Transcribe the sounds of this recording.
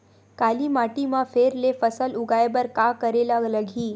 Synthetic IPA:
kalimaʈimãfʰeɾlefəsəlʊɡajebəɾkakəɾelaləɡʱi

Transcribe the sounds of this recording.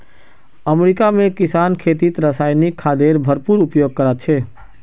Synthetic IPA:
əmɾikamẽkɪsaːnkʰeːt̪it̪ɾəsaːjnikʰːaːd̪eɾbʱəɾpuɾupjoːɡ̚kəɾət̪̚t͡ʃʰɛ

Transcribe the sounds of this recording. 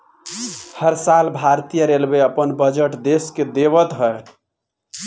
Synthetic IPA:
həɾsalbʱaɾt̪ijəɾelbeəpənbəd͡ʒəʈd̪esked̪eβət̪ɦəe

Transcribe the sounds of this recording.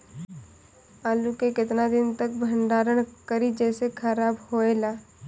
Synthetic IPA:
aːlukekɪt̪nad̪ɪnt̪ɐk̚bʱə̃ɳɖaːɾəɽ̃kəɾid͡ʒɛːsekʰəɾaːbhoːeːlaː

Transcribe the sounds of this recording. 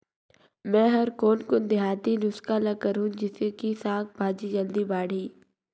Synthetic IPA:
mɛ̃ːɦɐɾkoːnkʊnd̪ɪɦaːt̪inʊskaːlɐkəɾũːd͡ʒɪskisaːkbʱaːd͡ʒid͡ʒɐld̪ibaːɽ̤iː

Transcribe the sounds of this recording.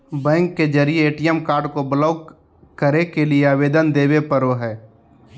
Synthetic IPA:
bɛ̃ːŋkːed͡ʒəɾijeːʈijɛmkaːɾɖkobələʊ | kəɾekelieaːʋeːd̪ənd̪eːʋepəɾoɦɛː

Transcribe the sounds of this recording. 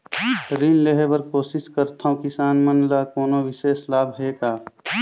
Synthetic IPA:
ɾiːnleɦebəɾkoːsɪskəɾt̪ʰaõkɪsaːnmənlaːkoːnoʋɪʃeːslaːbʱɦeːkaː

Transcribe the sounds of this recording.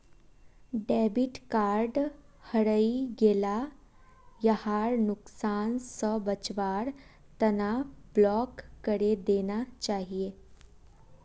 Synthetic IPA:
ɖɛbiʈkaɾɖ | həɽəiɡela | jəhaɾnʊksaːnsəbət͡ʃʋaɾ | t̪ənablɔkːəɾed̪enat͡ɕaːɦie

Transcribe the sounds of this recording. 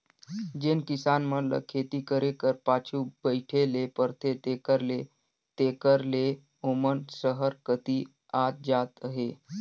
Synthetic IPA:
d͡ʒenkisanmələ̰kʰet̪ikəɾekəɾpat͡ʃʰubəɪʈʰelepəɾt̪ʰet̪ekəɾle | t̪ekəɾle | omənsəɦəɾkət̪i | aːt̪̚d͡ʒat̪əɦe

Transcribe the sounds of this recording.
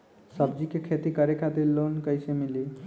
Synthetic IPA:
səb̚d͡ʒikekʰet̪ikəɾekad̪elːonkəjsemili

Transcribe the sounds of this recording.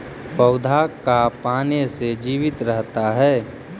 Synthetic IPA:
pəʊd̪ʱakapaːnesed͡ʒiːʋɪt̪ɾəɦt̪aɦɛː

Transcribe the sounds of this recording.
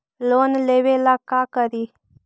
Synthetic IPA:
lonlewelakakaɾi

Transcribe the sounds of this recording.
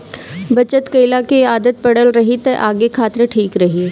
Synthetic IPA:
bət͡ɕət̪kəjlakeaːd̪ət̪̚pəɽəlɾəɦit̪əɾʔaɡekʰaːt̪ɾəʈʰiːkɾəɦiː

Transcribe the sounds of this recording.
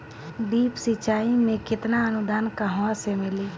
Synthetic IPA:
d̪iːpsɪt͡ʃaːimẽkɪt̪naənʊd̪aːnkəɦasemɪliː

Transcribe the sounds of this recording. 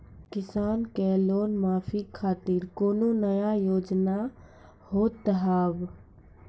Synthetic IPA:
kɪsaːnkeloːnmaːpʰikʰaːt̪iɾkoːnonəjajoːd͡ʒna | hoːt̪ɦaːb

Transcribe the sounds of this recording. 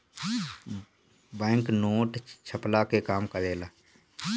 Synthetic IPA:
bɛ̃ːŋknoːʈt͡ʃʰəplakekaːmkəɾeːlaː

